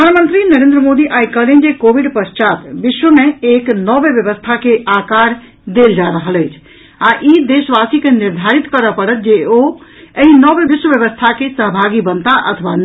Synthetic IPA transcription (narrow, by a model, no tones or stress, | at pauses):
pəd̪ʱanmə̃nt̪ɾinɐɾẽnd̪ɾəmoːd̪iʔaːikəlend͡ʑekoːʋɪɖpəst͡ʃaːt̪ʋɪʃʋəmẽeːknɔːʋeʋjəʋəst̪ʰakeʔaːkaːɾ | d̪eːld͡ʒaɾəɦələɦɪt͡ʃʰ | aʔid̪eːʃəʋaːsikenɪɾd̪ʱaːɾit̪kɐɾəpəɽət̪̚ʰd͡ʒeoə̃ɦĩnɔːʋeʋɪʃwʋəʋjəʋəst̪ʰakesəɦbʱaːɡibənt̪aʔɐ̰t̪ʰəʋa